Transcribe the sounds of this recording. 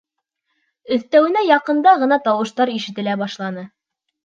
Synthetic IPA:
ɵ̆θt̪æwɘ̆næjɑqɤ̆nd̪ɑʁɤ̆nɑt̪ɑwɤ̆ʃt̪ɑɾiʃɘ̆t̪ɘ̆læbɑʃlˠɑnɤ

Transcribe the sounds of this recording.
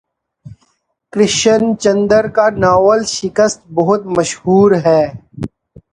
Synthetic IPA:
kɾɪʃənt͡ʃɐ̃nd̪əɾkanaːwəlʃɪkəst̪̚bɐɦʊt̪̚mɐʃhuːɾɦɛː

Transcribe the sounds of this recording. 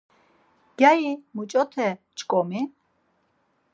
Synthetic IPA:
ɡ̥jajimut͡ʃʼɔt̪ʰɛ | t͡ʃʰʼkʼɔmi

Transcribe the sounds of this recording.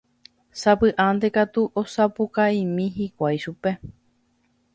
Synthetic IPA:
sapɨʔãnd̪e̞kat̪uʔosapukaĩmĩɦikʷajʃupe̞

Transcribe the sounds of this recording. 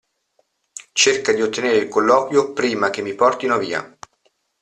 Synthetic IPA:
t͡ʃerkad̪iot̪ːeneːɾeilkolːɔːkwjopɾiːmakemːipɔrt̪inavḭːa̰

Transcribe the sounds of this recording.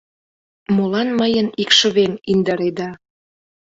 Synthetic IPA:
molɑnməjənikʃə̆βeŋind̪əɾed̪ɑ

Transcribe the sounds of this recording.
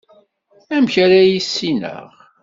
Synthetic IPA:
æmçaɾæjisːinə̰ʁ

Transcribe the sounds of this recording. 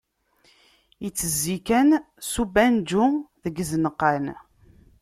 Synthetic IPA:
jət͡sːəzːikæn | subænd͡ʒʊðəɡzənəqːən

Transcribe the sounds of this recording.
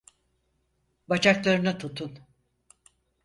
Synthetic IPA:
bat͡ʃʰaklˠaɾɯnat̪ʰut̪ʰːun

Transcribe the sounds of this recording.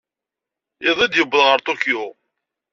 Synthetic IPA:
ɪðˤid̪jəbːəlʁəɾt̪ˤoko

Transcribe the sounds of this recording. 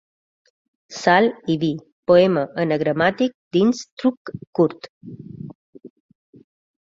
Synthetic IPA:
saliʋi | pɔeməʔənəɡɾəmat̪ik̚d̪inst̪ɾukːuɾt̪

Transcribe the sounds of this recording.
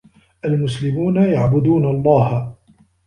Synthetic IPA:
ʔalmʊslɪmuːnajaʕbʊd̪uːnaɑlˤːɑːha

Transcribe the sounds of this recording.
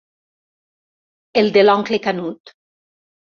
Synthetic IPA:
eld̪elɔŋklekanut̪

